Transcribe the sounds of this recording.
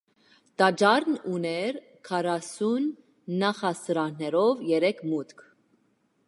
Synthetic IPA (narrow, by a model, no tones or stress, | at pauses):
t̪ɑd͡ʒɑɾnunɛɾ | kʰɑrɑsunː | ɑχɑsɾɑnnɛɾɔvjɛɾɛkʰmut̪kʰ